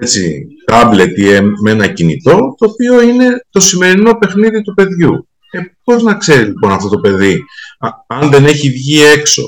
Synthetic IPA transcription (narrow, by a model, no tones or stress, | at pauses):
et͡sḭt̪ɐble̞t̪ieme̞nɐcinḭt̪o̞t̪o̞ːpio̞ine̞t̪o̞sime̞ɾino̞pe̞xniðit̪upe̞ðʝu | ebo̞ɾiznɐkse̞ɾilipo̞nɐft̪o̞t̪o̞pe̞ði | ɐnðe̞ne̞çivʝie̞kso̞̰